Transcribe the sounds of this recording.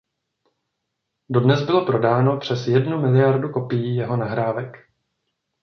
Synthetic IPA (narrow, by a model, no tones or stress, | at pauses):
do̞dnɛzbɪlo̞pɾo̞daːno̞pr̥ɛsjɛdnumɪlɪjaɾduko̞pijijɛɦo̞naɦɾaːvɛk